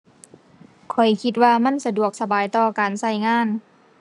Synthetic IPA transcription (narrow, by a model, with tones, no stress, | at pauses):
kʰɔ˨˩jkʰi˧t̪̚waː˧ma˧˥˨nsa˧du˨˩ək̚sa˧baː˨jt̪ɔː˧˩kaː˨nsa˧˥˩jŋaː˧˥˨n